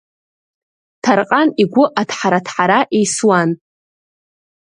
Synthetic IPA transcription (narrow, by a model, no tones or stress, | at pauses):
tʰarqʼaniɡʷʊʔatʰħaɾatʰħaɾaʔejswan